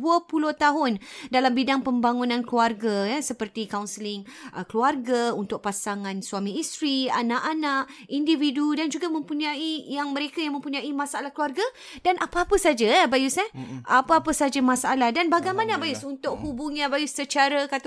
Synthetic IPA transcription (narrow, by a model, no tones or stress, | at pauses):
uəpuloht̪aɦʊndalambidaŋpəmbaŋunãnkluarɡajəsəpərt̪ikawnsəlɪŋʔəkluarɡaunt̪ʊʔ̚pasaŋãnsuamĩist̪ɾia̰nãʔanaʔindividudand͡ʒuɡamə̃mpuɲaijaŋməɾekajaŋmə̃mpuɲãimãsalahkluarɡa | danʔapaːpəsad͡ʒabajusaapəapəsad͡ʒamasalahdanbaɡajmãnəbajusunt̪ʊk̚hubʊŋɲãbajusət͡ʃaɾəkat̪